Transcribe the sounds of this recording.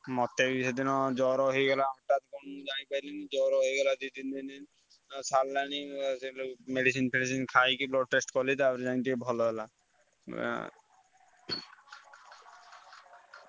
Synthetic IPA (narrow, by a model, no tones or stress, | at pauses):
mɔt̪ːebised̪inɔd͡ʒɔɾɔɦojɡɛlaːmɔʈat̪kɔnd͡ʒanipajlinid͡ʒɔɾɔɦojɡɛlad̪id̪ind̪ini | salːanislmeɖisinpʰeʈis̬inkʰajkiblɔʈʈːesʈkɔlit̪apɔɾd͡ʒanit̪̬ikebʱɔlɔbɛla